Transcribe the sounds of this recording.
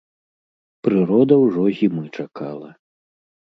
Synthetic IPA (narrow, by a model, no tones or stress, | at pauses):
pɾɨɾɔd̪ɐwʐɔɣʲimɨt͡ʂakʰalˠɐ